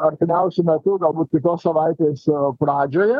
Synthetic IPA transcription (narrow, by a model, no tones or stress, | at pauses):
ɐɾʲt̪ʲɪmʲɛʊsʲʊmʲɛt̪ʊɡɐlˠbuːt̪̚ʲkʲɪt̪oːssɐʋɐɪt̪ʲeːspɾɑːd͡ʒʲoːjɛ